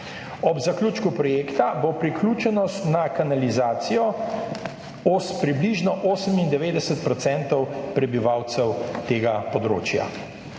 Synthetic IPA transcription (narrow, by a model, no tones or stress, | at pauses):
ɔbzakluːt͡ʃkupɾɔjeːkt̪abopɾikluːt͡ʃɛnɔst̪nakanalizaːt̪sijɔ | ospɾibliʒnɔʔoːsəmind̪ɛʋeːd̪ɛsɛt̪̚pɾɔt̪sɛnt̪ɔwpɾɛbiʋawt̪sɛwt̪eːɡapɔd̪ɾo̰ːt͡ʃja̰